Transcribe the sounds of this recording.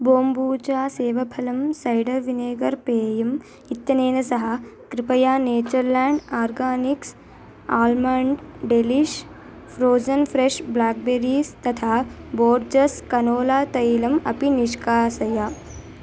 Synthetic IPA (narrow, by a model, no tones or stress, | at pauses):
boːmbuːt͡ʃaːseːʋɐpʰɐlɐmsɐjɖɐʋineːɡɐɾpeːjɐm | it̪ːjɐneːnɐsɐɦɐkɾipɐjaːneːt͡ʃɐɾlaːɳɖaːɾɡaːniks | aːlmaːɳɖeliʃ | fʰɾoːd͡ʒɐnfʰɾeʂblaːk̚beːɾiːst̪ɐt̪ʰaːboːɾd͡ʒɐskɐnoːlaːt̪ɐjlɐmɐpiniʃkaːsɐjaː